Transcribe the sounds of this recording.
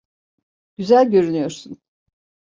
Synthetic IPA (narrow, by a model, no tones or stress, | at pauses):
ɟ̥yzælʲɟø̞ɾynyjo̞ɾsun